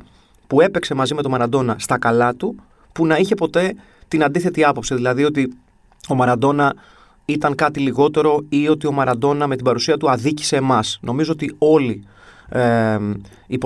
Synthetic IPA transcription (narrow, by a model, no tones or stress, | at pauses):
pue̞pe̞kse̞mɐzime̞t̪o̞mɐɾɐd̪o̞nɐst̪ɐkɐlɐt̪u | punɐiçe̞po̞t̪e̞ | t̪inɐnd̪iθe̞t̪iɐpo̞psiðilɐðio̞t̪i | o̞mɐɾɐd̪o̞nɐ | it̪ɐŋkɐt̪iliɣo̞t̪e̞ɾo̞io̞t̪io̞mɐɾɐd̪o̞nɐme̞t̪ibɐɾusiɐt̪uɐðici̥se̞ːmɐsno̞mizo̞ot̪io̞li | po